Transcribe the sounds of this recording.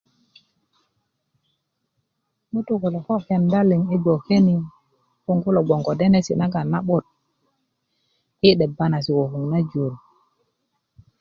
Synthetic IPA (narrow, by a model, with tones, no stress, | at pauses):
mu˦tu˦˨ku˨lo˨ko˦ke˨nda˦li˨ŋi˦bo˨ke˦ni˦ | ku˦˨ŋɡu˦lo˨ɡ͡bo˨ŋɡo˨de˦ne˦sḭ˨na˦ɡa˨na˦ɓo˦˨t̚ | i˦ɗe˨ba˦na˨s̬i˨ko˨hu˨ŋna˦d͡ʒu˨ɾ